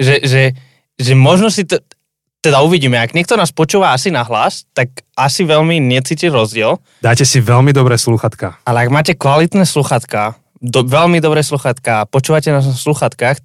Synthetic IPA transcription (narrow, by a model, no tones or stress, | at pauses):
ʒɛʒɛ | ʒɛmɔʒnɔsit̪ɔ | t̪ɛd̪auʋiɟiːmɛaɡɲɪɛk̚t̪ɔnaːspɔt͡ʃuːʋaasinaɦlast̪akasiʋɛʎmiɲɛt͡siːciɾɔzɟɪɛl | d̪aːcɛsiʋɛlmid̪ɔbɾɛːsluxat̪ka̰alɛaɡmaːcɛkʋalit̪nɛːsluxat̪kaː | d̪ɔʋɛlmid̪ɔbɾɛːsluxat̪kaːpɔt͡ʃuːʋacɛnasluxat̪kaːx